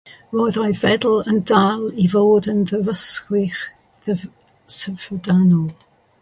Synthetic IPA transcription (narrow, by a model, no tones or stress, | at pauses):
roːjðajvɛdl̩ˠəndalˠivoːdənðəvəskwɪχ | ðə | səfədanɔlˠ